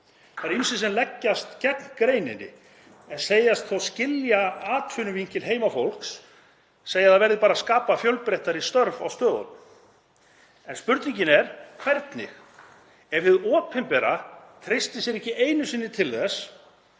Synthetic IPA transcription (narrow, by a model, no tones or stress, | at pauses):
θaɾisɪsɛnlɛcːast̪cɛknkɾeːjnɪnːɪ̰ | ɛnseːjast̪θowscɪljaaːt̪ʰvʏnʏviɲcɪlɦeːjmafowl̥ksː | eːjaðavɛɾðɪpaːɾaskaːpafjœwlpɾejht̪aɾɪst̪œɾva̰wst̪œːðɔ̰ | ɛnspʏɾt̪niɲcɪnɛɾ̥kʰv̥ɛɾt̪nɪ̰x | ɛvvɪðɔːpʰɛmpɛɾat̪ʰɾɪst̪ɪsjɛɾɛhcːɪʔeːjnʏsɪnːɪt̪ʰɪlðɛs